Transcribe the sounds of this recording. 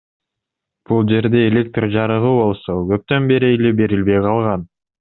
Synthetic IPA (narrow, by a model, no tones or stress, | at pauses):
b̥ulˠd͡ʒe̞ɾd̪e̞ːlʲe̞k̚t̪rd͡ʒɑɾɯʁɯbo̞lˠso̞ɡø̞p̚t̪ø̞nbe̞ɾielebe̞ɾilβe̞jqʰɑlˠʁɑn